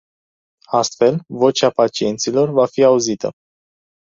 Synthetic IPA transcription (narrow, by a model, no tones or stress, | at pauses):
ast̪fe̞lvo̞t͡ʃapat͡ʃie̞nt̪silo̞rvafiauzit̪ə̰